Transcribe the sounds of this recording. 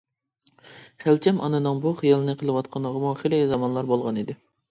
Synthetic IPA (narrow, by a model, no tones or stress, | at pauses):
χælt͡ʃʰɛmʔɑ̰nɨnɨŋbuχijɑlˠɨnɨqʰəlˠɨwɑt̪̚qʰɑnlˠəʁəmuχelɪzɑmɑnlˠɑɾbolˠʁɑnid̪ɪ